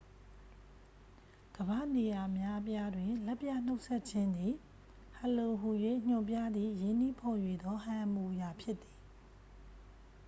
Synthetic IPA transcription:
ɡ̥əbä˦˨ne˨ja˨mja˦p̬ja˦dwɪ̃˨lɛ˦pja˦˨n̥o˦ʊʔsʰɛ˦ʔ̚t͡ɕʰɪ̃˦nd̪ði˨ | ha˨lo˨ɦu˨jwḛ˦˨ɲ̥ʊ̃˦˨mpja˦d̪ðḭ˦˨jɪ̃˦˨n̥i˦˨pʰɔ˨jwe˨d̪ɔ˦hã˨ʔəmu˨ja˨pʰjɪ˦t̪ːi̥˨

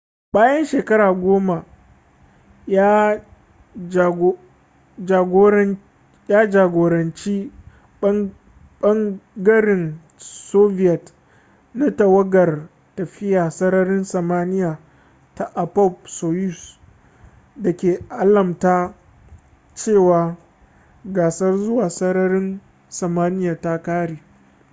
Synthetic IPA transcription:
baː˦jɐ˦nʃeː˨kɐ˦ɾaː˨ɡʷoː˦ma˨ | ja˦˨ | ɡ | d͡ʒaː˨ɡoː˦ɾɐ˦ | jaː˦d͡ʒaː˨ɡʷoː˨ɾɐ˨nt͡ʃiː˦ | ɓɐ˦ŋɡɐ˦ɽɪ˨n | soː˦vɪ˦jɐ˨t | na˦tɐ˨wɐ˦ɡɐ˨r | tɐ˨ɸɪ˦jaː˨sɐ˦ɾɐ˦ɾɪ˦nsɐ˨maː˦nɪ˦jaː˨ | ta˨ʔa˨pɔ˦˨p̚soː˨ju˦˨s | dɐ˨kʲeː˨ʔa˦lɐ˨mtaː˦ | t͡ʃeː˦˨waː˨ | ɡaː˨sɐ˦rzʊ˦waː˨sɐ˦ɾɐ˦ɾɪ˦n | sɐ˨maː˦nɪ˦jaː˨ta˦kaː˦ɽeː˨

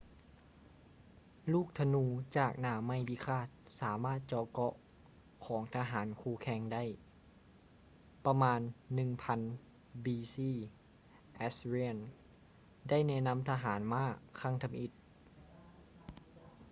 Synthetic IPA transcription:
luː˥˩k̚t̪ʰa˧nuː˧t͡ɕaː˨˩k̚naː˧˩ma˧˥˨jbiː˧˦kʰaː˧˥˩t̪̚saː˩˦maː˥˩t̪̚t͡ɕɔː˧˩kɔ˧ʔ | kʰɔː˩˦ŋt̪ʰaː˧ɦaː˩˦nkʰuː˧kʰɛː˧ŋda˥˨j | pa˧maː˧nːɯ˨˩ŋpʰa˧n | biː˧siː˧˩˨ | ʔɛ˦˥sli˧˩ən | da˥˩˨jnɛː˧˥˨na˧˥mt̪ʰa˧ɦaː˩˦nmaː˧˥˩kʰa˧˥˩ŋt̪ʰa˧mʔi˧˥t̪̚

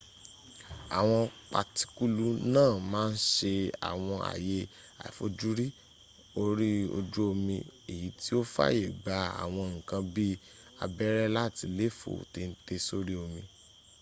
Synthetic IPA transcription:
a̰˨w̃ɔ̃˧k͡pa˨ti̥˨˦ku˦lu˦nãː˦˨mãː˦n̩˦ʃe˧a̰˨w̃ɔ̃˧ʔa̰˨je˨˦ | a̰˨fo̰˨˦d͡ʒu˦ɾi˦ | o˦ɾi˦o̰˧d͡ʒu˦o˧mĩ˧e˨ji˨˦ti˦o˦fa̰˦je˦˨ɡ͡ba˨˦a̰˨w̃ɔ̃˧ŋ̩˨kã˧bi˦ | a̰˧bɛ˦ɾɛ˦la˦˨ti˧le˦˨fo̰˨te˧n̩˦te˧so˦ɾi˦o˧mĩ˧

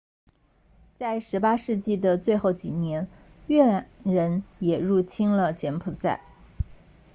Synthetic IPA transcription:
t͡sa˥˩ɪʂɻ̩˧˥pa˥ʂɻ̩˥˧t͡ɕi˥˩d̪ə˩t͡swe˥˧ɪxo˥˩ʊt͡ɕi˨˩njɛ˧˥n | ɥɛ˥˩˧ɻə˧˥njɛ˨˩ɻu˥˩t͡ɕʰi˥ŋlə˨t͡ɕjɛ˧˥npʰu˨˩t͡sa̰˥˩ɪ

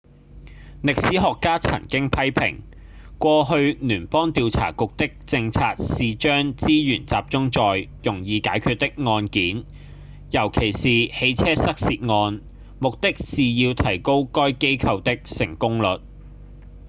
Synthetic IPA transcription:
lɪ˨k̚siː˨˥ɦɔː˨kːaː˥t͡sʰɐ̰˨˩nkɪ˥ŋpʰɐ˥jpʰɪ̰˨˩ŋ | kʷɔː˧ɦɵ˧ɥnyː˨˩npɔː˥ŋt̪iː˧wt͡sʰa̰ː˨˩kʊ˨k̚t̪ɪ˥k̚t͡sɪ˧ŋt͡sʰaː˧t̚siː˨t͡ʃœː˥ŋt͡siː˥jyː˨˩nt͡saː˨p̚t͡sʊ˥ŋt͡ʃɔː˨jjʊ˨˩ŋjiː˧kaː˨˥jkʰyː˧t̚t̪ːɪ˥k̚ŋɔː˧nkiː˨˥n | jɐ˨˩wkʰe˨˩jsiː˨he˨˧jt͡sʰɛː˥sɐ˥k̚siː˧t̚ŋɔː˧n | mʊ˨k̚t̪ɪ˥k̚siː˨jiː˧wt̪ʰɐ˨˩jko˥wkɔː˥jke˥jkʰɐ˧wt̪ɪ˥k̚sɪ˨˩ŋkʊ˥ŋlɵ˨t̚

